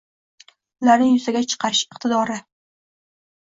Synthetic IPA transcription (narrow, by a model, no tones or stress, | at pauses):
ʊlaɾnɪjʊzaɡʲat͡ʃʰɨ̥qʰɑɾɪʃɪq̚t̪ʰɪd̪ɒɾɪ